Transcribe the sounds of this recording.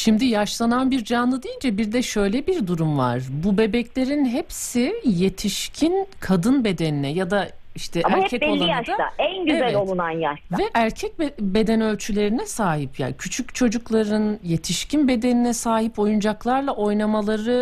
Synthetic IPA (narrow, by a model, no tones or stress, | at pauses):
ʃimd̪ijaʃlˠananbiɾd͡ʒanlˠɯd̪ijind͡ʒɛbiɾd̪ɛʃø̞jlʲɛbiɾd̪uɾumva̰ɾ̥bube̞bɛclʲe̞ɾinɦepsije̞t̪ʰiʃcʰinkʰad̪ɯnbe̞d̪eninɛjad̪a | iʃt̪ʰɛamaɾcʰɛcɛolːˠaijaaʃd̪aa̰ænɟyezælolˠunanjaʃavɛʔæɾcʰɛc̚bbe̞d̪ɛnø̞lʲt͡ʃʰylʲe̞ɾinɛsaːɦipja̰ːncʰyt͡ʃʰycʲt͡ʃʰo̞d͡ʒuklˠaɾɯnje̞t̪ʰiʃcinbe̞d̪e̞ninɛsaːɦipo̞jund͡ʒaklˠaɾlˠaʔo̞jnamalˠaɾɯ